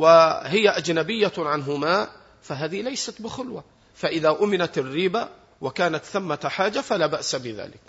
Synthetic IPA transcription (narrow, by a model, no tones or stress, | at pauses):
wɪhɪjːaʔad͡ʒnabɪjːaʕanɦʊmaː | faɦaːðihlajsat̪bɪxʊlwa | faʔɪðaʔʊmɪnat̪arːiːba | wɪkaːnat̪θamːat̪ħaːd͡ʒafalaːbaʔsabɪða̰ːlɪk̚